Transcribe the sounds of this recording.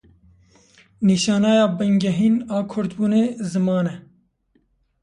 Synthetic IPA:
niːʃɑːnɑːjɑːbɛŋɡɛɦiːnɑːkʰʊɾt̪buːneːzɨmɑːnɛ

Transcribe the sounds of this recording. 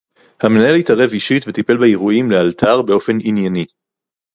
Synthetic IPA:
hame̞naelitaʁe̞viʃitvet̪ipe̞lbaeʁuimlealtʰaʁbe̞o̞fe̞ninjani

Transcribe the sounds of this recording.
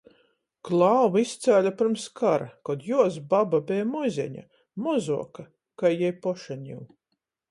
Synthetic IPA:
klˠɑːvist̪sʲæːlʲapiɾmskaɾakɔd̪juɔsbababɛːjmɔjzʲɛ̰ɲa̰ | mɔzuɔka | kajjɛjpɔʃaɲʲḭw

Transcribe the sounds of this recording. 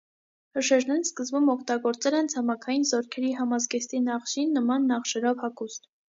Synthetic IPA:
həʃɛɾnɛɾskəzbumɔkʰt̪ɑɡɔɾt͡sɛlɛnt͡sʰɑmɑkʰɑjinzɔɾkʰɛɾiɦɑmɑzɡɛst̪inɑχʃinːəmɑnːɑχʃɛɾɔvhɑkust̪

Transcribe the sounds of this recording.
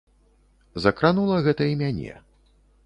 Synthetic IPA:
zɐkɾanulˠɐɣɛt̪ɐimʲanʲɛ̰

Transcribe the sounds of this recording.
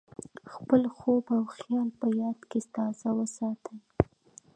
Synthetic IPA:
xpəlxobawxjɑlpəjɑd̪kest̪ɑzawəsɑt̪ʰəj

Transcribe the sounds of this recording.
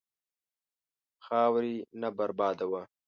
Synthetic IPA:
xɑːwɾinabaɾbɑːd̪awa

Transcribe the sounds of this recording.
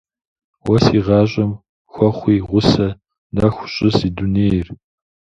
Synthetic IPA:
wɐsiːʁɑːɕʼɪm | xʷɔχʷiːʁʷʊsɐ | nɐxʷʊɕʼɪsiduneːjr

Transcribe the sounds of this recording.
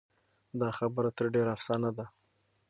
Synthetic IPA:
d̪ɑxabəɾat̪əɾɖeɾafsɑnad̪a

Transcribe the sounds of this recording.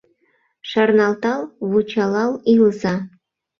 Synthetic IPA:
ʃɑrnɑlˠt̪ɑlˠβut͡ɕɑlɑlˠilzɑ

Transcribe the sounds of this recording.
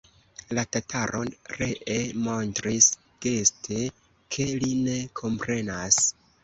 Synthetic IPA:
latatʰaɾʔo̞nre̞ʔemo̞ntɾis | ɡ̥e̞stʰe̞ | kʰe̞line̞kʰo̞mpɾe̞nas

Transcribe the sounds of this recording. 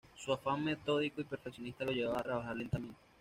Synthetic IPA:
suafaŋme̞t̪o̞ðikoipe̞ɾfe̞ksjonist̪alo̞ʝeβaβat̪ɾaβaxaɾle̞nt̪ament̪e

